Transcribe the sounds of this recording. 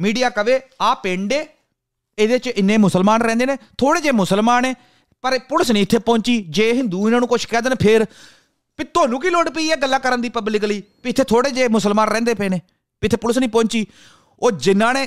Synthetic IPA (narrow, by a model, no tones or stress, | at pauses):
miːɖijaːkəʋeːaːpẽːɳɖeː | ed̪eːt͡ʃɪnːẽːmʊsəlmaːnɾɛ̃ːnd̪eːneːt̪ʰoːɽeːd͡ʒeːmʊsəlmaːneː | pəɾpʊləsnĩːɪt̪ʰːeːpɔ̃ːɲt͡ʃiːd͡ʒeːɦɪnd̪uːɪnãːnũːkʊt͡ʃʰkɛ̃ːd̪ənpʰɪɾ | piːt̪oːnũːkiːloːɽpiːɛːɡəlːaːkəɾənd̪iːpəblɪk̬liːpiɪt̪ʰːeːt̪ʰoːɽeːd͡ʒeːmʊsəlmaːnɾɛ̃ːnd̪eːpeːneː | piɪt̪ʰːeːpʊləsnĩːpɔ̃ːɲt͡ʃiː | oːd͡ʒɪnːãːneː